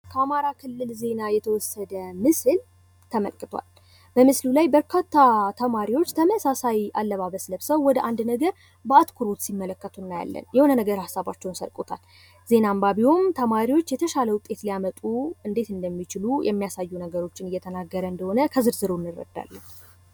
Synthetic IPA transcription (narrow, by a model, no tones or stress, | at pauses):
kʰəamaɾakʰɨlːɨlze̞najɛt̪ʰəwɔsːəd̪əmɨsɨl | t̪ʰəmə̰lkʼɨt̪ʰwa̰l | bəmɨslulajbəɾkʰat̪ːat̪ʰəmaɾiwo̞t͡ʃːt̪ʰəməsasajʔalːəβaβəsləβsəwːɔd̪əʔand̪nəɡəɾ | bəat̪kʰuɾo̞t̪simːələkːət̪ʰunːaja̰lːə̰njɛhonənəɡəɾhasːaβa̰t͡ʃːɛwnsə̰lkʼot̪ʰa̰l | ze̞nambaβihomt̪ʰəmaɾiwo̞t͡ʃːjɛt̪ʰəʃaləwʊt̪ʼːe̞t̪lijamət̪ʼuɨnd̪e̞t̪ɨnd̪əmːit͡ʃɪlujʔɛ̰mːijasajːunəɡəɾo̞t͡ʃːɪnɨjːɛt̪ʰənaɡːəɾəɨnd̪əho̞nəkʰəzɨɾzɨɾonːɨrːə̰d̪ːa̰lːən